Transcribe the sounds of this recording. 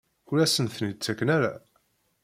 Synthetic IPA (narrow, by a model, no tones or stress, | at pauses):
ʊɾæsənθnit͡sːækːənæɾæ̰